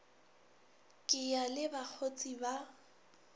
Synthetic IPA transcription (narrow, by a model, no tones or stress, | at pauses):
kʼɪjalɪbak͡xʰot͡sʼiba